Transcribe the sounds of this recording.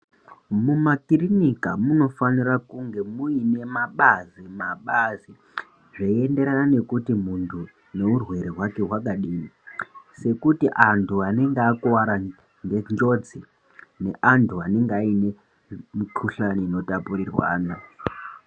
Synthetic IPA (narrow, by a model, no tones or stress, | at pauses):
mumakirinikamuno̞fanirakuŋɡe̞muine̞maɓazimaɓazi | ʐaie̞nde̞ɾanane̞kutimuntʰu | ne̞urwe̞ɾeɦwake̞ɦwak̬aɗiːmise̞kutiʔantʰuane̞ŋɡeakuwaɾa | ŋɡend͡ʒo̞d͡zi | ne̞ʔantʰuane̞ŋɡeaine̞ | mikʰuɬaniino̞tapurirwa̰ːna